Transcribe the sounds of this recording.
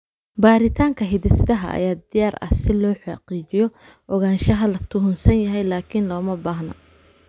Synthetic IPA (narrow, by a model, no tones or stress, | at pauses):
baːɾɪt̪ʰaːŋkʰɐɦɪðɪsd̪ɐɦɐ̰ʔɐ̰jaːd̪ɪjaːrɐ̰sɪlɔːħɑqiːt͡ʃɪjɔ | ʔɔɣaːnʃɐɦɐlɐt̪ʰʊɦʊnsɐnjɐɦɛjlaːkʰɪnlɔːmɐbaːhnɐ̰